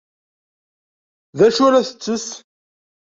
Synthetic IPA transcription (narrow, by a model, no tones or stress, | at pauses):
ðæʃuɾæθə̥t͡sːəs